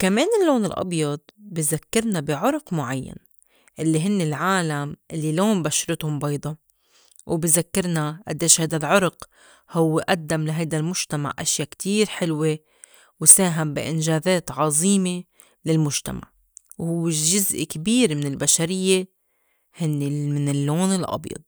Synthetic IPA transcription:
kameːnɪlːoːnɪlʔɑ̰bjɑd̪̚ˤbizakːɪɾˤnabɪʕʊɾqmʊʕajːa̰n | ʔɪlːiɦɪnːelʕaːlamʔɪlːiloːmbaʃɾˤɪt̪hʊmbɑjd̪ˤɑ | wbizakːɪɾnaʔad̪ːeːʃhajd̪alʕʊɾq | hʊwːeʔad̪ːamlaɦajd̪almʊʒ̥t̪ama̰ʕʔa̰ʃjaːkt̪ʰiːɾħɪlwe | wsaːɦambḭʔɪnʒaːðeːt̪ʕɑzˤiːme | lɪlmʊʒt̪a̰ma̰ʕ | whʊwːeʒʊzʔkabiːɾmɪnɪlbaʃaɾɪjːe | hɪnːemɪnɪlːoːnɪlʔɑ̰bjɑ̰d̪̚ˤ

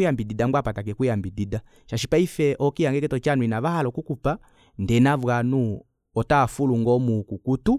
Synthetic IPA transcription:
ujambididamɡwapatak̬ɛkujambidida | ʃaʃipaifɛʔɔkijaŋɡɛkɛtɔt͡ʃanuinaβahalɔkukupa | ndɛnavwanu | ɔtaːfuluŋɡɔmukukutu

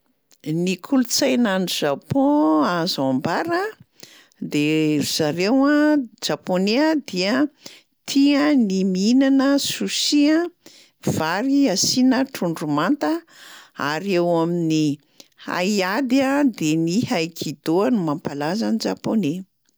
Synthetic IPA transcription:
nikʰulut͡sajnaniʒapɔ̃azambaɾə | d̪eruzaɾewãd͡ʒaponeəd̪iə | t̪ʰiənimiinanəsusiã | vaɾiasinəʈ͡ʂuɳɖ͡ʐumant̪ə | a̰ɾewamini | ha̰jad̪iad̪enihajkʰid̪̥oənumampalazanid͡ʒapone

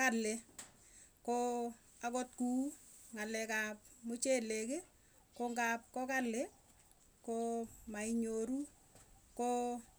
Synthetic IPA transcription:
ale | ko | akɔt̚ku | ŋalɛkap̚mut͡ʃeleke | koŋɡap̚kɔkale | komaiɲoɾu | ko

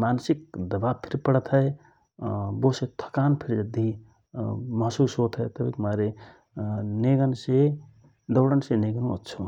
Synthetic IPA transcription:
mansik̚d̪ɐbab̚pʰiɾipəɽt̪ʰəj | boset̪ʰə̥kanpʰiɾd͡ʒɐd̪ːi | mʌɦsusɦot̪ʰəjt̪əbikmaɾe | neɡənse | d̪əwɽənseneɡnuə̰tːt͡ʃʰu

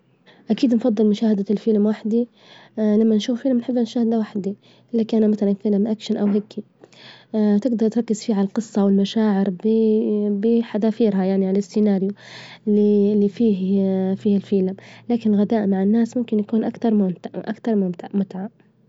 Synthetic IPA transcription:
ʔakiːd̪nfɑd̪ˤːɨlmʊʃaːhad̪alfiːlɪmwaħd̪i | lamːanʃuːffiːlɪmnħɪbːanʃaːhɪd̪awaħd̪i | ʔɪlːakaːʔnamaθalanfiːlɪmʔakʃanʔawɦakːi | t̪ɪɡd̪ɑɾˤt̪ɾɑkːɪz̥fiːʕalalqɨsˤːɑwɪlmaʃaːʕɪɾb | bɪħad̪aːfiːɾɦajaʕniʕalaɪsːɪnaːɾjʊlːilːifiːɦfiːhɪlfiːlɪmlaːkɪnɪlɣad̪aːʔmaʕɪnːaːsmʊmkɪnjakuːnʔakt̪ɑɾˤmʊmt̪ʔa̰kt̪ɑɾˤmʊmt̪ʕmʊt̪ʕa

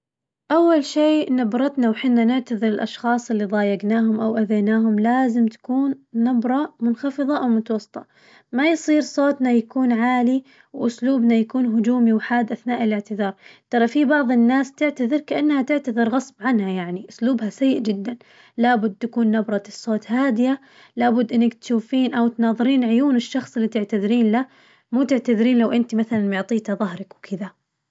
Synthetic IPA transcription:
ʔawːalʃiːnabɾˤɑt̪nawħɪnːanɪʕt̪aðˤɨɾɪlʔɑʃxɑːsˤɪlːiðˤɑːjaɡnaːhʊmʔawʔad̪eːnaːɦʊmlaːzɪmt̪ḁkuːnːabɾˤɑmʊnxɑfɨðˤɑʔawmʊt̪ɑwɑsˤːɨ̥t̪ˤʰɑ | majsˤiːɾsˤoːt̪najakuːnʕaːli | wʔʊsluːbnajakuːnɦʊd͡ʒuːmiwħaːd̪ʔaθnaːʔɪlɪʕt̪ɪðɑːɾˤt̪ɑɾˤɑfibɑʕðˤɪnːaːst̪ɪʕt̪aðˤɨɾkaʔanːhat̪ɪʕt̪aðˤɨɾɣɑsˤbʕanhajaʕniʔʊsluːbhasajːɪʔd͡ʒɪd̪ːan | labʊd̪ːt̪akuːnːabɾˤɑt̪ɨsˤːoːt̪haːd̪ɪja | labʊd̪ːʔɪnːakt̪ʃuːfiːnʔawt̪nɑːðˤɨɾiːnʕʊjuːnɪʃːɑxsˤɪlːit̪ɪʕt̪aðɾiːnla | muːt̪ɪʕt̪aðɾiːnlawʔɪnt̪imaθalanmʊʕt̪ˤiːt̪haðˤɑɦɾɑkwkʰɪða

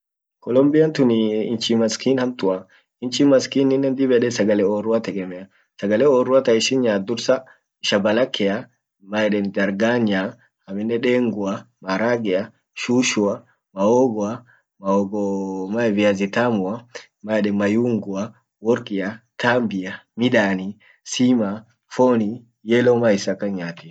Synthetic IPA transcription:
kɔlɔmbɪjɐnt̪ʊniːnt͡ʃimɐskiːnhɐmt̪ʊɐ | ɪnt͡ʃimɐskiːnɪnːɛnd̪ɪbɛɗɛsɐɡɐlɛɔːrʊat̪ɛkʼɛmɛɐ | sɐɡɐlɛɔːrːʊat̪ɐɪʃɪnɲaːd̪ʊɾsɐ | ɪʃɐbɐlɐkʰːɛa | majɛɗɛnd̪ɐɾɡaːɲːa | ɐmɪnːɛᶑeːŋɡʊɐmɐɾaːɡɛjɐ | ʃuːʃʊɐ | mɐoːɡɔɐ | mɐɔɡɔmavɪazɪt̪aːmʊɐ | maɛɗɛmɐjuːŋɡʊɐ | wɔɾkʼɪjɐt̪aːmbɪjɐmɪᶑaːni | siːma | foːni | jeːlomaɪsɐkːɐɲaːt̪ɪ

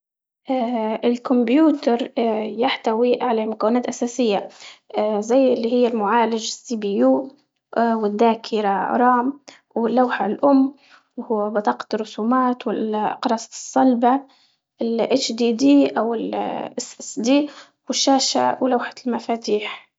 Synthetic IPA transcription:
ʔaːʔɪlkʊmbjuːt̪ɑɾˤjaħt̪awiʕalamʊkawːɪnaːt̪ʔasaːsɪjːa | zajːɪlːihɪjːalmʊʕaːlɪd͡ʒɪsːibijuː | wɪd̪ːaːkʰɪɾaɾˤɑːm | wɪlːawħalʔʊmː | whʊwːabɑt̪ˤɑːqɑ̥rˤːʊsuːmaːt̪wɪqɾˤɑːssˤːɑlba | ɪlʔat͡ʃd̪iːd̪iːʔawɪlʔɪsʔsd̪iː | wɪʃːaːʃa̰wlawħḁlmafaːt̪iːħ

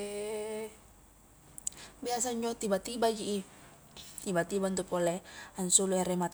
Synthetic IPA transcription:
bias̬aɲd͡ʒɔt̪ibat̪ibad͡ʒiʔː | t̪ibat̪ibaunt̪upolɛansuluɛɾɛmat̪

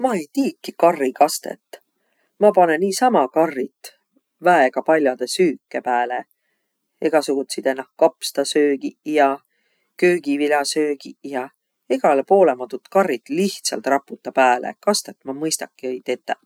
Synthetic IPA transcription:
mɑe̞jt̪iːkːikɑrːikɑst̪ḛt̪ːˑ | mɑpɑne̞niːsɑmɑkɑrːit̪ˑ | væeɡ̥ɑpɑlʲjɑd̪̥e̞syːkːˑepæːle | eɡ̥ɑsuɡ̥ut̪sid̪̥enːɑhkɑpst̪ɑsøːɡ̥ijɑ | køːɡ̥ivilʲɑsø̞ːɡ̥ijɑ | iɡ̥ɑlpo̞ːle̞mɑt̪ːut̪kɑrːit̪ˑliht̪sɑ̰lt̪ˑrɑpːˑut̪ːˑɑpæːlḛkɑst̪e̞t̪ːˑmɑmɤjst̪ɑkˑːiɤjt̪et̪ːˑe

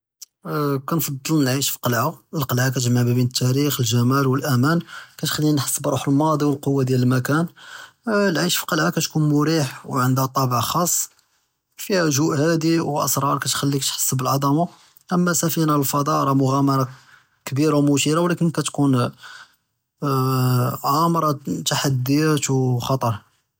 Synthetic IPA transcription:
kænfɑd̪ˤːəlnʕiʃfi̥qɑlʕaəlqɑlʕak̬æt̪ʒmaʕbəbinət̪ʰːæɾixəlʒæmælwəlʔæmænkæt̪xælːinħə̥sːəbɾˤuħəlmɑd̪ˤiwəlqowːad̪jæləlmækæn | lʕiʃfi̥qɑlʕakæt̪kunmʊɾiħwʕənd̪hæt̪ˤɑbəʕxɑsˤː | fihæʒuʔhæd̪iwʔə̰sɾˤɑɾˤkæt̪xælːikæt̪ħə̥sːəbəlʕɑd̪ˤɑma | ʔəmːæsæfinalfɑd̪ˤɑɾˤɑmʊɣæmɑɾˤɑ | kbiɾawmʊʃiɾawlækənkæt̪kun | ʕamɾˤɑt̪aħad̪ːijæt̪wxɑt̪ˤɑɾˤ

